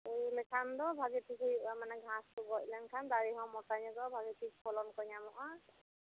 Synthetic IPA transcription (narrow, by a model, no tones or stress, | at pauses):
ejlɛkʰandɔbʱaɡipʰikʰiamanɛɡʱãstuɡɔc̚ˀlankʰandaɹiɦɔ̃mɔtaɲɔɡɔbʱaɡipʰikpʰɔlɔnkɔjɲamɔʔa